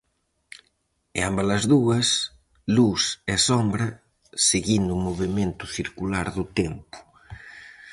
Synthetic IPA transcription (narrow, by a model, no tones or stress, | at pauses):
ḛambalɐzðuɐs | lusɛsombɾɐ | seɣind̪umoβemẽnt̪uθiɾkulaɾðut̪ɛmpu̥